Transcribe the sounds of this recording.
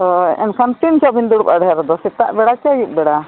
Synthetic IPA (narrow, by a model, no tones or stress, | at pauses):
t̪ɔɛnkʰant̪int͡ʃɔbind̪uɽupaɽɛɾɔd̪ɔsit̪aʔbɛɽat͡ʃajuʔ̚bɛɽa